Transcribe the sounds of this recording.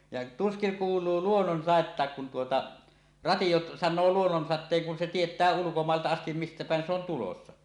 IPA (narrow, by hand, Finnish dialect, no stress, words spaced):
jɑ tuskiŋ kuːlˑuː luonːonsɑˑetːɑˑek kun tuotɑ rɑtij̆o sɑnˑoː luonːonsɑtˑeːŋ kun se tietˑæː ulukomɑˑeltɑ ɑstim mistæ pæˑen se on tulosːɑ